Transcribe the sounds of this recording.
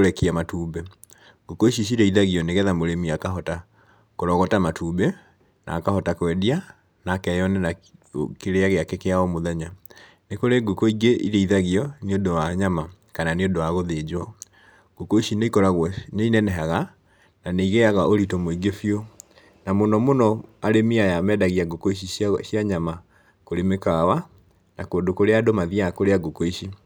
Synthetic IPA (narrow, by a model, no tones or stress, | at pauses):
ɾɛkiamatubɛ | ɡukoiʃiʃ̬iɾɛiðaɣiɔneɣɛðamoɾemiakaɦɔta | koɾɔɣɔtamatʰubɛ | nʔa̰ːkahɔtakwɛdia | nakɛjɔnɛnakeɾeaɣeakɛkeaɔmoðɛɲa | nekoɾeɡukoiɡeʔiɾɛiðaɣiɔniodowaɲama | kananeondowaɣoðed͡ʑwɔ | ɡ̥okoiʃineikɔɾaɣwɛneinɛnɛɦaɣa | naneiɣeaɣaʔoɾitomoiɡefjo | namonɔmonɔaɾemiajamɛdaɣiaɡokoiʃ̬iʃjaɲama | koɾemekawa | nakoːndokoɾeadomaðiakoɾeaɡokoiʃi